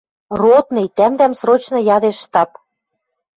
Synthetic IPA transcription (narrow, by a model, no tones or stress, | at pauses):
rot̪nĕjt̪æmd̪æmsrot͡ɕnɤ̆jɑd̪eʃːt̪ɑp